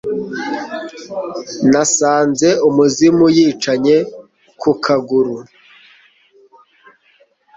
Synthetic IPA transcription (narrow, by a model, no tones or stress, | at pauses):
nasaːnze̞umuzimujiːt͡ʃaɲe̞ | kʰukʰaɡuɾu